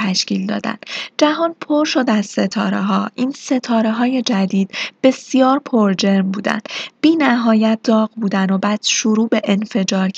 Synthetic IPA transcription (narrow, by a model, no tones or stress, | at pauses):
æʃciːld̪ɒ̰ːd̪æ̰nd̪̥d͡ʒæɦɒːnpʰoɾʃo̞d̪æzse̞t̪ʰɒːɾeɦɒːʔiːnse̞t̪ʰɒːɾe̞ɦɒːje̞d͡ʒæd̪iːd̪̥b̥e̞sijɒːɾpʰoɾd͡ʒe̞ɾmbuːd̪æ̰nd̪̥b̥iːnæɦɒːjæt̪̚ʰd̪̥ɒːɣbuːd̪ænd̪obæːd̪̥ʃuɾuːbe̞ʔenfe̞d͡ʒɒːɾʰ